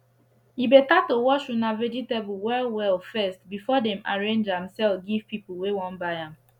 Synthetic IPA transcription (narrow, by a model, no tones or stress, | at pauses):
jibetatowɔʃunavɛd͡ʒitebuwɛlwɛlfɛstbifɔdɛ̃maɹẽnd͡ʒãmsɛlfɡiv̥piplˠwewɔ̃nbaɪãm